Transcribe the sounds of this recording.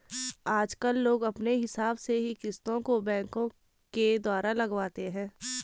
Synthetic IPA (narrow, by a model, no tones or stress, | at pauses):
aːd͡ʒkəlːoːɡɐpneɦɪsaːbseɦikɪst̪õkobɛ̃ːŋkõ | ked̪waːɾalɐɡwaːt̪eɦɛ̃ː